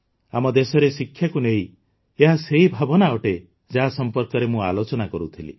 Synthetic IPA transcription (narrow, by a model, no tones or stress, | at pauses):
amɔd̪esɔɾesikʰːjakunei | eɦaseibʱabɔnaɔʈe | d͡ʒaɦasɔmpɔɾkɔɾemũa̰lot͡ʃɔnakɔɾut̪ʰilḭ